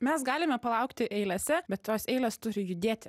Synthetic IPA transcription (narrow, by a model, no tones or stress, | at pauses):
mʲɛsɡɑːlʲɪmʲɛpɐlˠɑʊkt̪ʲɪʔɛɪlʲɛsʲɛbʲɛt̪t̪oːsɛɪlʲɛst̪ʊɾʲɪjʊd̪ʲeːt̪ʲɪ